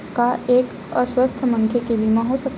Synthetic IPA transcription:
kaek | əsʋəst̪ʰəməŋkʰjekibimãɦosək

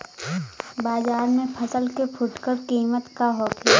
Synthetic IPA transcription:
baːzaːɾmẽpʰɐsəlkepʰʊʈkəɾkiːmət̪kaɦoːke

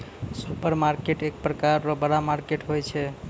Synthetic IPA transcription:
supəɾmaɾkeʈek̚pɾəkaɾːɔbəɽamaɾkeʈɦojt͡ʃʰɛ

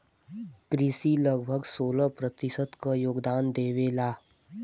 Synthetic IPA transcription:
kɾisiləɡbʱəɡsoːləpɾət̪isət̪kəjoːɡd̪aːnd̪eːʋeːlaː

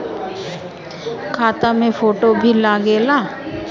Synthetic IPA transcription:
kʰaːt̪amẽfoːʈobʱilaɡeːlaː

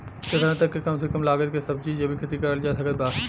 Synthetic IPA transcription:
kɪt̪əɾãt̪ɐkːekɐmsekɐmlaːɡət̪kesɐb̚t͡ʃiːd͡ʒjɐbʱikʰɐt̪ikɐɾəld͡ʒaːt̪ʰɐkət̪̚baː

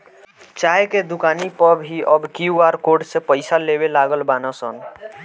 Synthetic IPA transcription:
t͡ʃajeked̪ukanipəbɦiʔəbkiuaɾkoɖsẽpəɪsalebelaɡəlbanɔsən

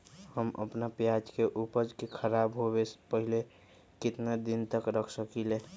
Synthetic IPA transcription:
həmə̰pnapjad͡ʒkeʔupəd͡ʒkekʰəɾabɦobespəɦile | kɪt̪nad̪ɪnt̪əkɾəkʰsəkile

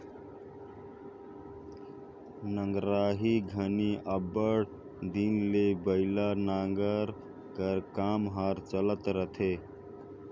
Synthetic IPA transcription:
nəŋɡɾaːɦiɡʱəniʔəbəɽ | d̪inlebəɪlanaːŋɡəɾ | kəɾkamɦaːɾt͡ʃələt̪ɾət̪ʰe

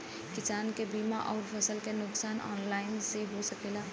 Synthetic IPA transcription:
kɪsaːnkebiːmaʔɔːɾfʰəsəlkenʊksaːnʔɔ̰ːnlaːɪnseɦosɐkeːlaː

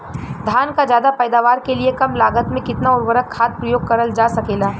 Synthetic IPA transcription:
d̪ʱjaːnkazjaːd̪apɛːd̪aːʋaːɾkeliekɐmlaːɡət̪mẽkɪt̪naʊɾʋəɾəkkʰaːt̪̚pɾɐjoːɡ̚kɐɾəld͡ʒaːsɐkeːlaː

